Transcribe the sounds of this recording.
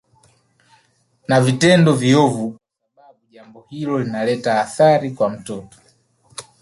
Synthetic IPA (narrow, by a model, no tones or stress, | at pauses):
navitɛndɔviɔvukwasaɓaɓuʄambɔhilɔlinalɛtaːθaɾikwam̩tɔtɔ̥